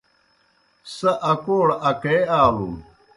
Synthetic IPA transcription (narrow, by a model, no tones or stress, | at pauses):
sɐʔɐkoːɽɐkeːaːlṵ